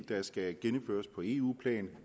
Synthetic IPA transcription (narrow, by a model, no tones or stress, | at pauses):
d̥ɑ̈sɡ̥æɡ̥enəm̩fø̰ɐspʰɒ̽e̝ːṵːpʰlɛ̰ːn